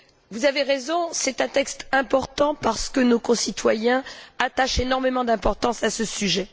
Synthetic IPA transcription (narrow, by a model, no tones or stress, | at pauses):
vuzaveʁezɔ̃sɛt̪ɛ̃t̪ɛkst̪ɛ̃pɔʁt̪ɑ̃paʁsə̥kənokɔ̃sit̪wajɛ̃at̪aʃenɔʁmemɑ̃d̪ɛ̃pɔʁt̪ɑ̃sasəsyʒɛ